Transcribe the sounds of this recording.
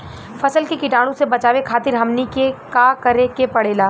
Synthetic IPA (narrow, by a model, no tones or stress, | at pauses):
fɐsəlkikɪʈaːɽ̃õsebɐt͡ʃaːʋekʰaːt̪ɪɾɦɐmnikekaːkɐɾekepɐɽeːlaː